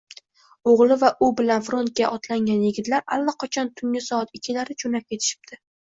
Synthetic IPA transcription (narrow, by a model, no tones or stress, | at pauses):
oʁlˠɪvaʔʊbɪlanfɾo̞nt̪̚kʲaʔɒt̪laŋɡʲanjɪɡʲɪt̪laɾalːaqʰɒt͡ʃʰɒnt̪ʰʊŋʲɪsɒat̪ɪkʲʰːɪlaɾɪt͡ʃʰonap̚kʲʰe̞t̪ʰɪ̥ʃɪ̥b̚d̪̥ʰɪ